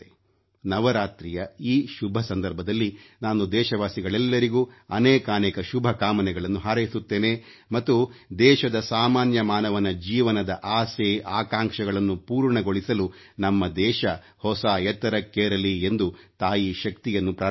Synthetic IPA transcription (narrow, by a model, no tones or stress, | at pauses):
e | nɐʋɐɾaːt̪ɾijɐiːʃubʱɐsɐnd̪ɐɾbʱɐd̪ɐlːinaːnud̪ɛːʃɐʋaːsiɡɐɭɛlːɐɾiɡuːɐnɛːkaːneːkɐʃubʱɐkaːmɐnɛɡɐɭɐnːuɦaːɾɐjisut̪ːe̞ːne | mɐt̪ːud̪ɛːʃɐd̪ɐsaːmaːnjɐmaːnɐʋɐnɐd͡ʒiːʋɐnɐd̪ɐʔaːseːaːkaːŋʂɐɡɐɭɐnːupuːɾɳɐɡo̞ɭisɐlu | nɐmːɐd̪ɛːʃɐ | hɔsaːɛt̪ːɐɾɐkːeːɾɐliend̪ut̪aːjiʃɐk̚t̪ijɐnːupɾaː